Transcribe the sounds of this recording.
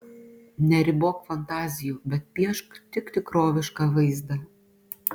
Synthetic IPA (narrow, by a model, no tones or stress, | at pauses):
nʲɛɾʲɪboːkfɐnt̪ɑːzʲɪjuːbʲɛt̪̚pʲiɛʃkt̪ʲɪkt̪ʲɪkɾoːʋʲɪʃkɑʋɐɪzd̪ɐ